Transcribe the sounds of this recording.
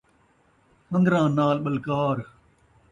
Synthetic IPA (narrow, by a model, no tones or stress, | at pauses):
hə̃nd̪ɾãːnaːlɓəlkaːɾ